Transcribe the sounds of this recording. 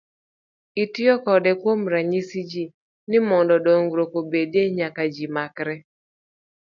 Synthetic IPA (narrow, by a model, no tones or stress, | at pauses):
itɪjɔkɔdɛkwomɾaɲisid͡ʒi | nɪmɔndɔdoŋɡɾokobedeɲakad͡ʒimakɾɛ